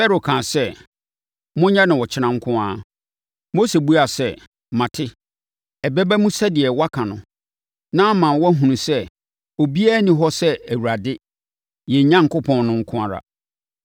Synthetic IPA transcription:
ɛ˦ɾo˨kʰã˨sɛ˦ | mʊ̃˦ɲã˦nʊ̃˨wɔ˨t͡ɕʰɪ˦nã˨ŋ̩˦kʰʊ̃˦aː˦ | mo˦se˨bu˦a˨sɛ˦ | mã˨tʰɪ˦ | ɛ˨bɛ˦bɛ˦mũ˦sɛ˦dɪ˨ɛ˨wa˦kʰã˨nʊ̃˨ | nã˦mã˨nwɔ˦ɦũ˨nũ˨sɛ˦ | o˨bi˦a˦nĩ˨ɦɔ˦sɛ˦æ˨wu˨ɾa˨dɪ˦ | jɛ˨ɲã˦ŋ̩˨kʰʊ˦pʰɔ̃˨nːʊ̃˦ŋ̩˦kʰʊ̃˦a˨ɾa̰˨

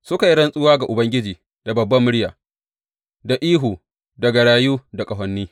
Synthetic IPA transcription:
sʊ˦ka˨ji˦ɽɐ˦nsʼʊ˦waː˦ɡa˨ʔʊ˨bɐ˦ŋɡʲɪ˦d͡ʒiː˨ | da˨bɐ˨bːɐ˦mːʊ˦ɽjaː˨ | da˨ʔiː˦ɦuː˨ | dɐ˨ɡa˨ɽaː˨juː˦da˨kʼɐ˨ɦɐ˨nːiː˦

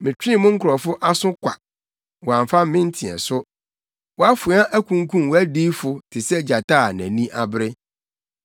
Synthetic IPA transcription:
mɪ̃˨t͡ɕᶣĩ˦˨mʊ̃˦ŋ̩˦kʰʊ˨ɾɔ˨fʊ˦ʔa˦sʊ̃˦kʷʰa˨ | wɔ˨ã˨m˨fa˦m˦mɪ̃˦n˦tʰĩ˨ɛ̰˨sʊ˦ | wa˦fʊ˨˦ã˦ʔæ˦kʷʰũ˦ŋ˦kʰũ˦m˨wɔ˦æ˦diː˦fʊ˨tʰɪ˨sɛ˦d͡ʑa˨tʰa˦˨næ̰̃˨nĩ˦ʔa˦˨bɾɪ˦

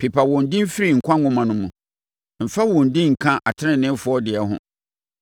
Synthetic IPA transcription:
pʰi˨pʰa˨wɔ̃˨n̩˦dɪ̃˦m˦fi˦ɾi˨ŋ̩˨kʷʰã˦ʊ̃˦mã˨nʊ̃˦mũ˨ | m̩˨fa˦wɔ̃˨n̩˨dɪ̃˦ŋ̩˨kʰã˦ʔa˨tʰɪ˦nɪ̃˨nɪ̃˦m˦fʊ˨˦ɔ˦dɪ˨ɛ˨˦ɦʊ̰̃˦

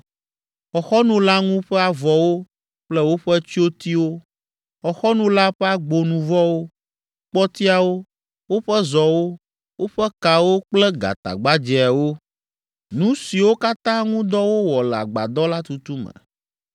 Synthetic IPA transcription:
xɔ˨xɔ˦nũ˦la˦ŋũ˦ɸɛ˦a˨vɔ˨wo˦ | k͡plɛ˦wo˦ɸɛ˦t͡ɕi˦o˦t̪i˦wo˦ | xɔ˨xɔ˦nũ˦la˦ɸɛ˦a˨ɡ͡bo˨nũ˨vɔ˦wo˦ | k͡pɔ˦t̪i˦a˨wo˦ | wo˦ɸɛ˦zɔ˨wo˦ | wo˦ɸɛ˦ka˨wo˦k͡plɛ˦ɡa̰˨t̪a̰˨ɡ͡ba˦d͡ʒɛ˨ɛ˨wo˦ | nũ˦si˨wo˦ka˦t̪ã˦ŋũ˦d̪ɔ˦wo˦wɔ˨la̰˨ɡ͡ba̰˨d̪ɔ˦la˦t̪u˨t̪u˦mɛ̰̃˨

